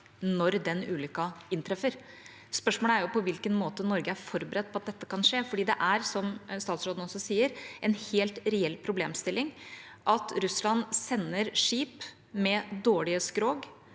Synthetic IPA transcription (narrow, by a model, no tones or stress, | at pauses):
nɔɾd̪ɛnʉːlʏkɑɪnt̪ʰɾɛfəɾ | spœʂmoːləæɾjʊpɔʋɪlkənmoːt̪ənɔɾɡəæɾfɔɾbəɾɛd̪̚pʰɔɑt̪̚d̪ɛt̪ːəkʰɑnʂeːfɔɖiːd̪ɛʔæɾsɔmst̪ɑːt̪sɾoːd̪n̩ɔsɔsiːəɾɛnheːlt̪ɾɛɛlːpʰɾʊbleːmst̪ɪlːɪŋ | ʔɑt̪ɾʉslɑnsɛnːəɾʂiːp | mɛd̪oːɭɪəskɾoːɡ